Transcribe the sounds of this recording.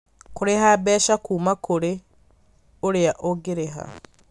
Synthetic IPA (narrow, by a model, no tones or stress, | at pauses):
koɾehabɛːʃakuːmakoɾe | oɾeaʔoɡeɾeɦa̰